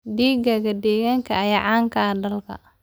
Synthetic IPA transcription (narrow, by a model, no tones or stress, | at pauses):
ɖiːɡɐɣɐd̪ɛːɣaːŋkʰɐɐjaʕɑːŋkʰɐɖɐlkʰɐ̰